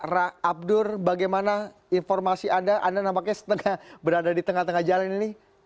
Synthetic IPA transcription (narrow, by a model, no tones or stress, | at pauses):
raab̚dʊrbaɡajmana | infɔrmasiʔadaʔa̰danampakɲasə̥t̪əŋahbəɾadadit̪əŋaht̪əŋahd͡ʒalanini